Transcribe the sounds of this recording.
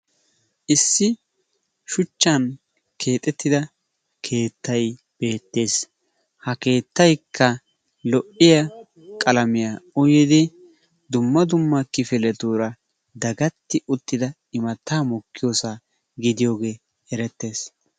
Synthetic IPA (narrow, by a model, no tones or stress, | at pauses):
ʔɪsːɪ | ʃʊt͡ʃːɐn | kʰe̞ːt̪ʼɛt̪ːɪd̪ɐ | kʰe̞ːt̪ːɐj | b̥e̞ːt̪ːe̞ːs | hɐke̞ːt̪ːɐjkʰːɐ | lɔʔɪjɐ | kʼɐlɐmɪjaːʊjɪd̪ɪ | d̪ʊmːɐd̪ʊmːɐkɪfɪlɛd̪uːɾɐ | d̪ɐɡɐt̪ːɪʔʊt̪ːɪd̪ɐ | ɪmɐt̪ːaːmɔkːɪjoːsaː | ɡɪd̪ɪjo̞ːɡe̞ː | ɛɾɛt̪ːe̞ːs